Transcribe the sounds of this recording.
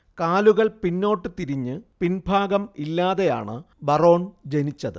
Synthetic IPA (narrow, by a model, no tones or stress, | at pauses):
kaːluɣɐɭpinːo̞ːʈːɨt̪iɾiɲːɨpinbʱaːɡɐmilːaːðe̞ja̰ːɳɨ | bɐro̞ːɳd͡ʑe̞nit͡ɕːɐðɨ̰